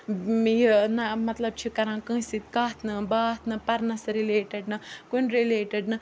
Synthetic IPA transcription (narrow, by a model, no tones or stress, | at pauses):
jinɐmɐt̪lɐb̚t͡ʃʰikɐɾãːkə̃ːsit̪̚kaːt̪ʰnɐbaːt̪ʰnɐpɐɾnɐsɐɾileːʈɐɖnɐkunɾileːʈɐɖnɨ